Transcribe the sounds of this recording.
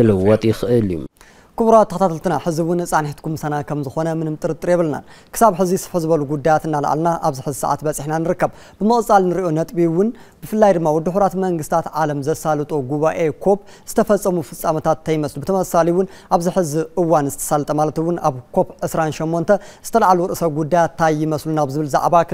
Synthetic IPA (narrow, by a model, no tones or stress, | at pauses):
kɨlɨwɔt̪ʼjɪxɨʔɨljṵ | kʰuβɾat̪ʰːɐkɐt̪at̪ʰɨlt̪ʰɨnaħɨziwʊnːɨsʼaniht̪kʰumɨsanakʰɐmzɨxo̞nɐmɨnɨmt̪ʼɨɾɨt̪ʼɨɾjɛβɨlna̰kʰɨ̥saβħɨzisɨ̥ħɨzɨβɐluɡud̪ːajat̪ɨnːala̰ʕ̰lnaʔaβziħɨzisɐ̰ʕa̰t̪bɐt͡sʼiħnanɨɾɨkːɐβ | b̥ɨmɨχʼɨt͡sʼalnɨɾiʔo̞nɐt̪ʼbiwʊn | b̥ɨfɨlːajd̪ɨmːawɔd̪ːuħuɾat̪mɐŋɡɨst̪ʰat̪ʕalɐmzɐsalɨt̪ʼoɡuβaʔe̞kʰo̞p | z̥ɨt̪ʰɐfɐt͡sʼːɐmufɨt͡sʼːamɐt̪ʰat̪ʰːɐjmɐslubɨt̪ʰɐmɐsaliwʊnʔaβziħɨziʔɨwːanzɨt̪ʰɐ̥salt̪ʼɐmalɐt̪ɨwːʊnaβkʰo̞pʕɨsɾanʃomːo̞nt̪ʰɐz̥ɨt̪ʰɐlaʕaluwɾʔɨsɐβɡud̪ːajat̪ʰːajɪmɐslunaβzɨβɨlza̰ʕβa